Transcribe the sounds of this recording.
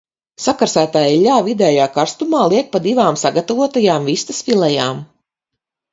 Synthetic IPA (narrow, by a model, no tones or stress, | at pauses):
sakaɾsæːt̪ajʎʲaːvid̪ɛːjaːkaɾst̪umaːlˠiɛk̚pad̪ivaːmsaɡat̪avuɔt̪ajaːmvist̪asfilˠɛjaːm